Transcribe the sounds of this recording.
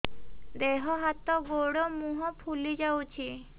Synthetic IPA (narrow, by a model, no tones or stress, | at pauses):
d̪eɦɔɦat̪ɔɡoɽɔmũɦɔpʰulid͡ʒawt͡ʃʰi